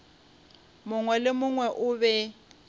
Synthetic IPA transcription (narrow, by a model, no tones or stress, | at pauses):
mʊŋwɛlɪmʊŋwɛʔʊbɛ